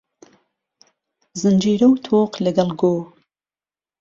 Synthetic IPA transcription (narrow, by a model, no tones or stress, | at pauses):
zɨnd͡ʒiːɾɐwt̪ʰoːqlɐɡɐlˠɡoː